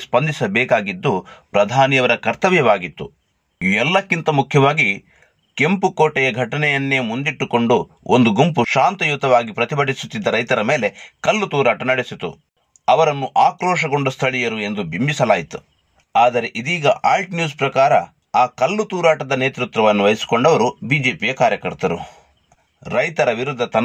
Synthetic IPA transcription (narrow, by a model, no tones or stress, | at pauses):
spɐnd̪ʱisɐbɛːkaːɡid̪ːupɾɐd̪ʱaːnijɐʋɐɾɐkɐɾt̪ɐʋjɐʋaːɡit̪ːu | iɛlːɐkːint̪ɐmukʰjɐʋaːɡi | ke̞mpukoːʈɛjɐɡʱɐʈɐnɛjɐnːeːmund̪iʈːuko̞ɳɖu | ʔo̰nd̪uɡumpuʃaːnt̪ɐjut̪ːɐʋaːɡipɾɐt̪ibɐɖisu̥t̪ːid̪ːɐɾɐjt̪ɐɾɐme̞ːle̞kɐlːut̪uːɾaːʈɐnɐɽesit̪ṵ | ɐʋɐɾɐnːuʔaːkɾɔːʃɐɡo̞ɳɖust̪ʰɐɭijɐɾue̞nd̪ubʱimbisɐlaːjit̪u | aːd̪ɐɾe̞ʔid̪iːɡɐʔaːlʈnjuːspɾɐkaːɾɐ̰ | aːkɐlːut̪uːɾaːʈɐd̪ɐneːt̪ɾut̪ɾɐʋɐnːuʋɐjisi̥koɳɖɐʋɐɾubiːd͡ʒe̞ːpijɐkaːɾjɐkɐɾt̪ɐɾṵ | ɾɐjt̪ɐɾɐʋiɾud̪ʱːɐt̪ɐ